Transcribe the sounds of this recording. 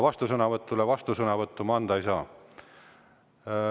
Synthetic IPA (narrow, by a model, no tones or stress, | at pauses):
vɑst̪usɤnɑvɤt̪ːˑulevɑst̪usɤnɑvɤt̪ːˑumɑɑnd̪ɑisɑː